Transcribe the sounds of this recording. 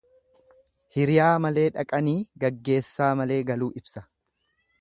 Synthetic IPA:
hɪɾɪjaːmɐle̞ːᶑɐkʼɐniːɡɐɡːe̞ːsːaːmɐle̞ːɡɐluːʔɪbsɐ̥

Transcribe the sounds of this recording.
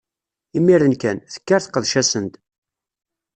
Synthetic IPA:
imːiɾənkænθə̥kːaɾθqːəðʃæsənt̪

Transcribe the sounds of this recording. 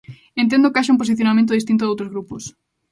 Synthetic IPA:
ẽnt̪̬ẽnd̪okaʃ̬aũmp̬os̬iθjonamẽnt̪oðist̪int̪̬oðowt̪ɾozɣɾupos

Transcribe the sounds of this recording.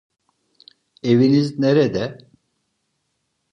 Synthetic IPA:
evinizneɾɛd̪ɛ

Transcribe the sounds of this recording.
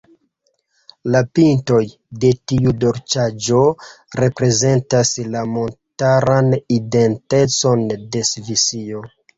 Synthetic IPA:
lapinto̞j | de̞tiudo̞ɾt͡ʃad͡ʒo̞ | ɾe̞pɾe̞ze̞ntaslamo̞ntaɾanide̞nte̞t͡so̞nde̞svisio̞

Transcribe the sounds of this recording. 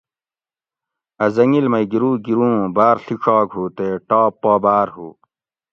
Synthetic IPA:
ɐzɐŋilmɐjɡiɾuːɡiɾũːbaːɾɬikʰaːɡɦuːt̪eːʈaːpːaːbaːɾɦuː

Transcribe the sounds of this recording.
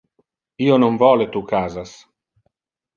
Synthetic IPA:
iːonoɱvɔːlet̪ukaːzas

